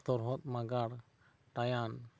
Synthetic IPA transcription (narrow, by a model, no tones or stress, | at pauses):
t̪ɔɾɦɔt̪̚maɡaɽ | ʈajan